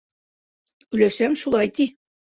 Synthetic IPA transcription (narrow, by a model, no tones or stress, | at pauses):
ʉjlæʃæmʃulˠɑjt̪i